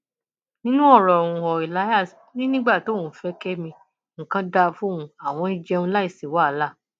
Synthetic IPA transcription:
nĩ˦nũ˦ɔ˦˨ɾɔ˨ɾ̃ũ˨˧ɔ˨i˨la˨˦ja˦˨s | nĩ˦nĩ˦ɡ͡ba˦˨to˨˦˨ũ˨˦fɛ˧˦kɛ˦mĩ˧ | ŋ̩˨kã˧da˧fũ˦ũ˧a˨w̃ɔ̃˧i˦d͡ʒɛ˧ũ˧la˦i˦˨si˨wa˦˨˦la˦˨

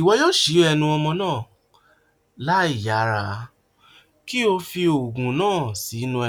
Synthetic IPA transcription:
i˨wɔ˧˦jɔ˦ʃi˨˦ɛ˧nũ˧ɔ˧mɔ̃˧nãː˦˨ | la˦i˦˨ja˨˦ɾa˨˦ | ki˦o˧fi˧o˨ɡũ˨nãː˦˨si˨˦nũ˧ɛ˧

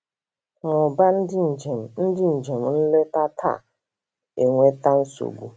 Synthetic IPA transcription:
ŋʊ˨ba˦˨e˨m̩˨n̩˦dɪ˦n̩˨d͡ʒe˨m̩˨n̩˦le˦ta˦tʰa̰˦˨ | e˨ŋʷe˦ta˦n̩˦so̰˨ɡʷṵ˨

